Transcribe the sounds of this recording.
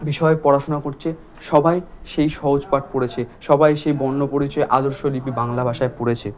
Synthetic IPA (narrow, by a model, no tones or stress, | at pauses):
biʃɔepɔɾaʃonakoɾt͡ɕʰe | ʃɔbajʃejʃɔɦod͡ʑpaʈ̚poɽet͡ɕʰeʃɔbajʃejbɔnːopoɾit͡ɕɔeʔad̪oɾʃolipibaŋlabʱaʃaepoɽet͡ɕʰe